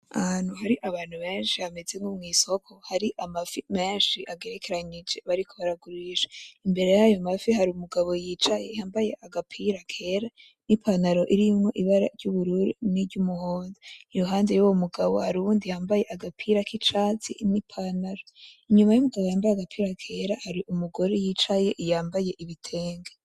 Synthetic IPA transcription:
an̥uɦaɾiʔaβaːn̥huβe̞ːnʃiame̞ze̞ŋumŋiːsokʰo̞haɾiʔamafime̞ːnʃiʔaɡe̞ɾekʰe̞ɾaɲid͡ʒe̞βaɾikʰo̞βaɾaɡuɾiʃe̥imbe̞ɾe̞jajo̞mafihaɾiumuɡaβo̞jit͡ʃajehaːmbaje̞ʔaɡapʰiɾakʰe̞ːɾa | nipʰanaɾo̞ʔiɾijumŋo̞ʔiβaɾa̰ɾɟuβuɾuɾiniɾɟumuhoːzeijoɦaːnde̞juwomuɡaβo̞̰haɾuuːndijaːmbaje̞ʔaɡapʰiɾakit͡ʃaːt͡sḭnipʰanaɾoiɲumajumuɡaβojaːmbajaɡapʰiːɾakʰe̞ɾahaɾiʔumuɡo̞ɾejiːt͡ʃaje̞ʔjaːmbaje̞ʔiβitʰe̞ːŋɡe

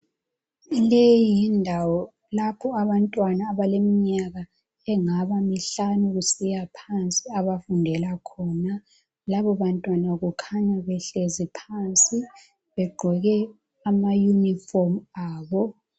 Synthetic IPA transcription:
lejindʱawɔ | lapʰɔaβantʼwanaːβalemiɲaɣa | ɛŋaβamiɬanuɣusijapʰant͡sʼiaβafundʱɛlakʰɔːna | laβɔβantʼwanaɣukʰaɲaβɛɬezipʰant͡sʼi | βɛɡ͡ǃʱɔɣɛ | amajunifɔrmaːβɔ

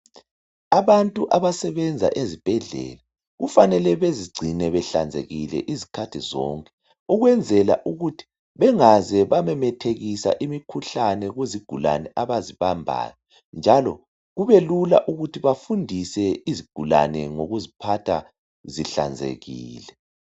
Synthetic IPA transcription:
aβantʼuʔaβasɛβɛnd͡zʱa̰ʔezib̥ʱɛɮɛ̰ːla | ɣufanɛlɛβeziɡ͡ǀʱinɛβɛɬa̰nd͡zʱḛɣilɛ̰ʔizikʰatʰizɔ̰ːŋkʼɛ̥ | uɣwɛnd͡zʱɛla̰ʔuɣutʰi̥ | βɛŋazɛβamɛmɛtʰeɣisa̰ʔimikʰuɬanɛɣweziɡ̥ʱula̰nɛʔaβaziβambʱa̰ːnɔ | nd͡ʒʱalɔ̰ | ɣuβelula̰ʔuɣutʰiβafundʱisɛiziɡ̥ʱula̰nɛŋoɣuzipʰatʰa | ziɬa̰nd͡zʱḛɣiːlɛ

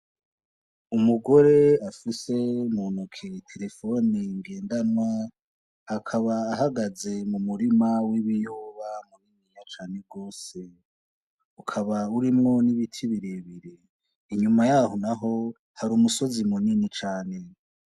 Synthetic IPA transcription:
umuɡo̞ɾe̞afise̞umunukʰetʰe̞ɾe̞fo̞niŋɡe̞ːndanwaː | kʰaβaːɦaɡaze̞mumuɾimawiβijoβamuniɲiɲat͡ʃaːne̞ɡo̞ːse̞ | ukʰaβauɾimŋo̞niβitʰiβiɾeβiɾe | iɲumajaːhonaɦo̞ | haɾuːmuso̞zimuninit͡ʃaːne̞

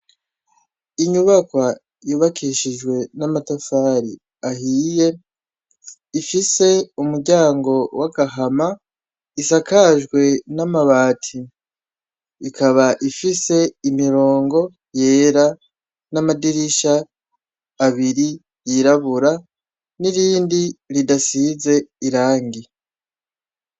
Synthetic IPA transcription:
iɲuβakwa | juβakʰiʃiʒɡwe̞namatafaːɾi | ahiːje̞ | ifise̞umuɾɟaːŋɡo̞waɡaɦama | isakaʒɡwe̞namaβaːtʰi | kaβaʔifise̞imiɾo̞ːŋɡo̞ | je̞ːɾa | namadiɾiʃaː | βiɾi | jiɾaβuɾa | niɾiːndiɾidasize̞iɾaːŋɡi

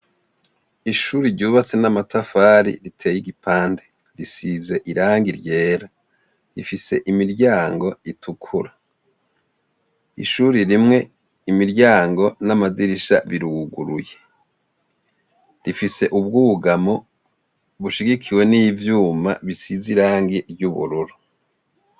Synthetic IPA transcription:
iʃuːɾiɾɟuːβat͡se̞namatafaːɾḭɾitʰe̞ːjiɡipʰaːnde | ɾisize̞ʔiɾaːŋɡiɾje̞ːɾa | ɾifise̞ʔimiɾɟaːŋɡo̞itʰukʰuɾa | ḭʃuːɾiɾimŋe̞ | imiɾɟaːŋɡo̞namadiɾiʃa̰βiɾuɡɡṵɾuje | ɾifise̞ʔuβ̚ɡuɡamo | βuʃiɡikʰiwe̞nivjuːma̰βisiziɾaːŋɡiɾɟuβṵɾuɾu

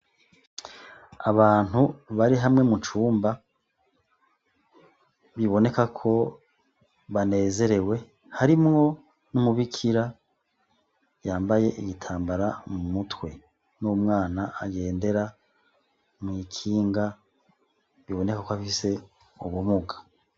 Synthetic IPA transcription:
a̰βaːn̥huβaɾiɦamŋe̞mut͡ʃuːmba | βiβo̞ne̞kakʰo̞ | βane̞ːze̞ɾe̞we̞ | haɾimŋo̞ | numuβikʰiɾa | jaːmbaje̞ʔiɡitʰaːmbaɾamumutwe̞ | numŋaːnaa̰ɡe̞ːnde̞ɾa | mŋiːkʰiːŋɡa | βiβo̞ne̞kakoaffise̞ | uβumuɡḁ

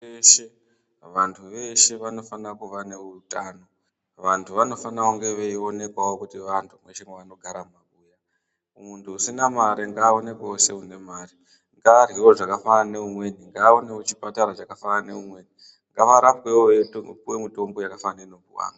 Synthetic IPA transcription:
eʃe̞ | ʋantʰuʋe̞ʃe̞ʋano̞fanakuʋane̞utaːno̞ | ʋantʰuʋano̞fanauŋɡe̞ʋeio̞ne̞kwawokutiʋantʰumwe̞ʃeŋeʋano̞ɡʱaɾamakuːja | muntʰuusinamaɾiŋɡaːone̞kose̞une̞maːɾi | ŋɡar̤iwo̞ʐakafaane̞umwe̞niŋɡaːone̞wot͡ʃipataɾat͡ʃakafaane̞umwe̞ni | ŋɡaʋaɾapwe̞okuwemito̞mbo̞jakafanaino̞kuwa̰ːŋɡa

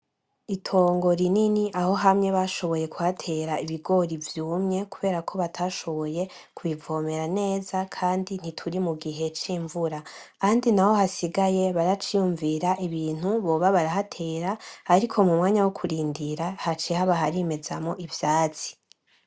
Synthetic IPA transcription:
itʰo̞ːŋɡo̞ɾininiʔaho̞ɦamŋe̞βaʃo̞βo̞je̞kuhatʰe̞ɾaiβiɡo̞ɾivjuːmɲe̞kuβe̞ːɾakʰo̞βatʰaːʃo̞βo̞je̞ | kʰuβivo̞ːme̞ɾane̞ːzakʰaːndin̥itʰuɾimuɡiɦe̞t͡ʃiːɱvuɾakaːndinaho̞hasiɡaje̞βaɾat͡ʃijuɱviɾaʔiβiːn̥uβo̞βaβaɾahatʰe̞ːɾaːɾikʰo̞mumŋaːɲawokʰuɾiːndiɾahat͡ʃehaβaɦaɾime̞zamo̞ʔivjaːt͡si̥

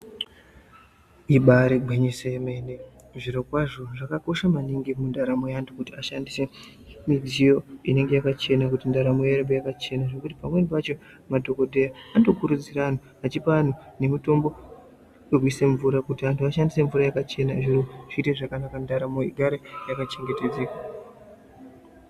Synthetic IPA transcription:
iɓaɾeɡʱeɲesemene | ʐiɾo̞kwaʐo̞ʐakako̞ʃamaniŋɡimundaɾamojantʰukutiaʃandise̞ | mid͡zijo̞ine̞ŋɡe̞jakat͡ʃe̞nakutindaɾamoeɾebojakat͡ʃe̞naʐe̞kutipamwenpat͡ʃo̞ | madʱo̞ko̞dʱe̞jaandokuɾud͡zirano | at͡ʃipaan̤one̞muto̞mbo̞ | jok̬wise̞ɱvuɾakutiantuaʃandise̞ɱvuɾajakat͡ʃe̞naʐiɾoʐ̥ite̞ʐakanakandaɾamoiɡʱaɾejakat͡ʃe̞ŋɡe̞te̞d͡zeːkwa

